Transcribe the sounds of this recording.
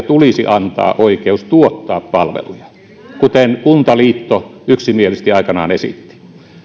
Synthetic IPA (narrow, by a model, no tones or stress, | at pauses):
t̪ulisḭʔɑnt̪ɑ̰ːʔoikeust̪uot̪ːɑːppɑlʋḛlujɑ | kut̪enkunt̪ɑliːt̪ːoyksimielist̪iɑikɑnɑ̰ːnesḭt̪ːi̥